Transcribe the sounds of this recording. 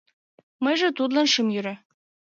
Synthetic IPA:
mɤjʒĕt̪ud̪lɑnʃimjyɾæ

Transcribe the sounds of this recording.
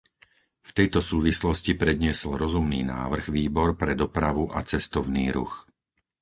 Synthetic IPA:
ft̪ɛjt̪ɔsuːʋislɔscipɾɛd̪ɲɪɛsɔlɾɔzumnḭːna̰ːʋr̩ɣʋiːbɔɾpɾɛd̪ɔpɾaʋuʔat͡sɛst̪ɔʊniːɾṵx

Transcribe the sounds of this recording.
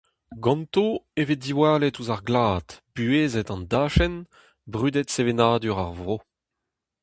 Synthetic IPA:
ɡɑ̃nt̪oevid̪iwaːlɛtuzaʁɡlaːt̪b̥yeːzɛt̪ɑ̃ndaːʃɛn | bʁyːd̪ɛt̪sevenaːd̪yʁa̰ʁvʁo

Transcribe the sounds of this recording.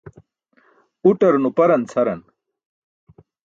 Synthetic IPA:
uʈɐɾnupɐɾɐnt͡sʰɐɾɐn

